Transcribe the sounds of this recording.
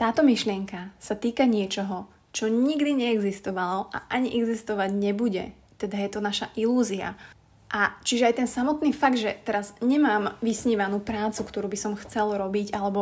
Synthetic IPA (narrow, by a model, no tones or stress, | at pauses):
t̪aːt̪ɔmiʃlɪɛŋkasat̪iːkaɲɪɛt͡ʃɔɦɔ | t͡ʃɔɲiɡd̪iɲɛɛɡzist̪ɔʋalɔʔa̰ʔaɲiʔɛɡzist̪ɔʋaɟɲɛbuɟɛ̰ | t̪ɛd̪ajɛt̪ɔnaʃaʔiluːzia̰ | ʔat͡ʃiʒɛajt̪ɛnsamɔt̪niːfaɡ̚d̪ʒɛt̪ɛɾazɲɛmaːmʋisɲiːʋanuːpɾaːt͡sukt̪ɔɾuːbisɔmxt͡sɛlɾɔbiɟalɛbɔ